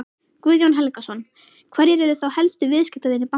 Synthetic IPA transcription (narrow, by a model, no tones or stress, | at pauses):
kviðjownɦɛlkasɔn | kʰvɛɾjɪɾɛɾʏθawhɛlst̪ʏvɪðskcɪpt̪aðenːɪpa